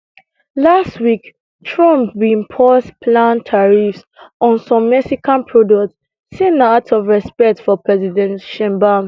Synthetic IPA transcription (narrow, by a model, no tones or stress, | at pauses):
lastwik | tʰɹɔ̃mpbimpʰɔspʰlãntʰaɹifs | ɔ̃nsɔ̃mːɛksikãnpʰɹɔdɔktsː | ĩnatʰɔvɹɛspɛk̚tfɔpɹɛzidɛ̃ntʃɛ̃mbam